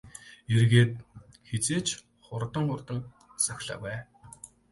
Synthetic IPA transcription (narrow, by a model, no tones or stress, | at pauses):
erɣeːt̪̚ | xet͡seːt͡ɕ | χʊrt̪ə̆ŋχʊrt̪ə̆ŋ | sœxʲɮa̰ːpæː